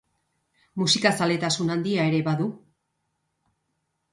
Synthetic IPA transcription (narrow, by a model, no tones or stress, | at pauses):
musikasale̞t̪asunand̪iae̞ɾe̞βaðu